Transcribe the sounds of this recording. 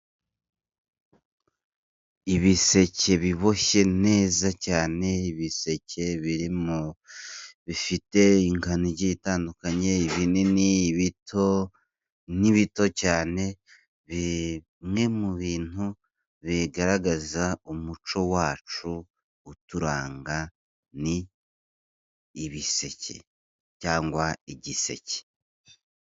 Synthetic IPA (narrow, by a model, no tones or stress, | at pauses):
iβise̞ce̞βiβo̞ʃe̞ne̞ːzacaːne̞iβise̞ce̞βiɾimo | βifite̞iŋkaniɟeitaːndukaɲe̞iβinen | o | niβito̞caːne̞ | βi | mŋe̞muβiːn̥u | βiɡaɾaɡazaumut͡ʃo̞waːt͡ʃuː | tuɾaːŋɡa | ni | βise̞̰cḛ | caːŋɡwaiɟise̞̰ce̥